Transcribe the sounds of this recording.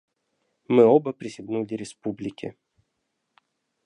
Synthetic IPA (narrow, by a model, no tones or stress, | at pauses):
mɨobəpɾʲɪsʲɪbnulʲɪɾʲɪspublʲɪkʲɪ̰